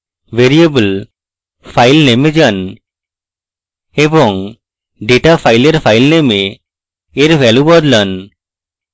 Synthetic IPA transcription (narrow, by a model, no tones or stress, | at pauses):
ʋeɾiebəl | pʰajlnemed͡ʒʌn | ebɔŋ | ɖeʈapʰajleɾpʰajlnemeː | ɾʋʱɛlubɔd̪lən